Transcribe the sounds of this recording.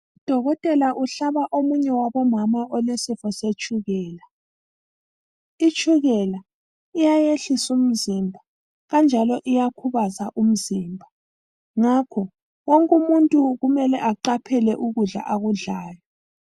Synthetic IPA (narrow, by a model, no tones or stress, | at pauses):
ud̥ʱɔɣɔtʼɛlaʔuɬaβaʔomuɲɛwaβɔmamaɔlesifɔset͡ʃʼuɣɛːla | it͡ʃʼuɣɛla | ijajeɬisum̩zimbʱa | ɣand͡ʒʱalɔʔijakʰuβazaʔum̩zimbʱa | ŋakʰɔ | wɔŋkʼumuntʼuɣumɛlɛ̰ʔaǃapʰɛlɛʔuɣuɮa̰ʔaɣuɮaːjɔ